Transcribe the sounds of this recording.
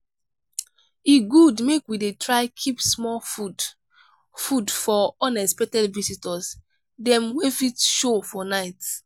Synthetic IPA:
iɡudmekwidetʰɹaɪkʰipsmɔfu | fudfɔɔnɛspɛtɛdvisitɔs | dɛ̃mwefitʃofɔnaɪt

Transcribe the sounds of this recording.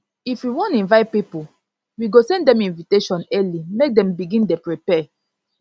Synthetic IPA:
ifwiwɔ̃ntĩnvaɪt̚pipu | wiɡosɛ̃ndɛ̃mĩnviteʃɔ̃nɛlimek̚dɛ̃mbiɡĩndepɹipɛ

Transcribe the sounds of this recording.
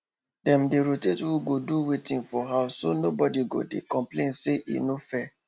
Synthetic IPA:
dɛ̃mdeɾotetwuɡoduwetĩnfɔɦaʊsonobɔdiɡo̰dḛkɔ̃mplẽnseʔḭnofɛ

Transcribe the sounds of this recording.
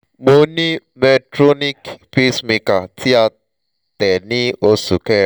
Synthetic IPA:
moni | mɛtɾonikpismikatʰia | t̪ɛniosukɛ

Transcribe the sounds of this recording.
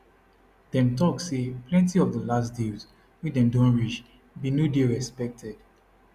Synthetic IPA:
d̥ɛ̃mtɔkseplɛ̃ntiɔvdəlasdilz | widɛ̃mdõnɹit͡ʃ | binodeɹɛspɛk̚tʰɛd̥

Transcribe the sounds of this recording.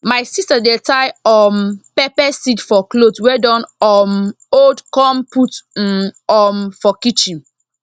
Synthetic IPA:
majsistadetajɔmpɛpɛsitfɔklotwɛdɔ̃nɔm | odkɔ̃mputn̩ɔmfɔkit͡ʃĩn

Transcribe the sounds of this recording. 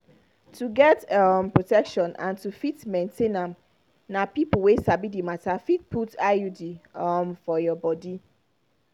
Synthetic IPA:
tʰuɡɛtɔmpɹotɛkʃɔ̃nʔã̰ntufitmɛ̃ntʰẽnãm | nãpiplwesabidimatafit̚pʰutajudimfɔjɔbɔdi

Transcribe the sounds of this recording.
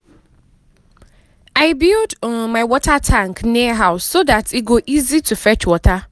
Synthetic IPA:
aɪbildmãɪwɔtʰatʰãŋknĩɦaʊsodatʰɪɡoʔizitʰufɛt͡ʃwɔtʰa

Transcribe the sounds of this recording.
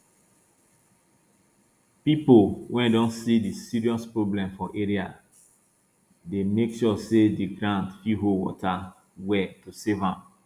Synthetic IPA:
pipolwʔɛ̃ndɔ̃nsidisiɹiɔspɹoblɛ̃mfɔʔeɹia | demekʃɔsediɡɹãntfiɦowɔ̰tʰa | wɛtusevãm

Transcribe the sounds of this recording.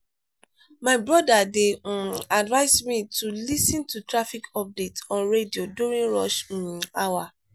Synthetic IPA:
maɪbɹɔdadeadvaɪsmitulisĩntutɹafikʰɔp̚detɔ̃nɹedioduɹĩnɹɔʃĩawa

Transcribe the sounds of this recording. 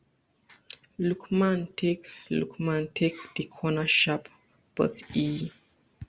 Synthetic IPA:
lukmãntʰeklṵkʰmãntʰekd̪̥ikʰɔnaʃap | b̥ə̰ti

